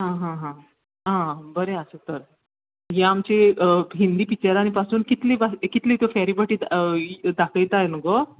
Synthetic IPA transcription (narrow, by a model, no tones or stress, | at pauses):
ɦãɦãɦã | ɦãbəɾeəsət̪əɾ | ɦẽamt͡ɕeɦind̪iːpit͡ɕeɾaɽ̃ipasuːnkit̪liːbakit̪liːt̪ofaɾibaʈiːd̪d̪akəjt̪ajnuɡo